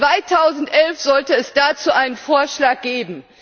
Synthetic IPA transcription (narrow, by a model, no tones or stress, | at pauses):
v̥aɪtʰaʊzn̩tʔɛlfz̥ɔltəɛsd̥aːt͡suːʔaɪnənfoːɐʃlaːk̚ɡ̥eːbm̩